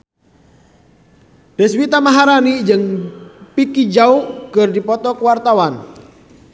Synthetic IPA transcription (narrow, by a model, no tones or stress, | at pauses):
d̥ɛswit̪amaɦaɾanid͡ʒɨŋpikid͡ʒaukɨrdipɔt̪ɔkəwart̪awan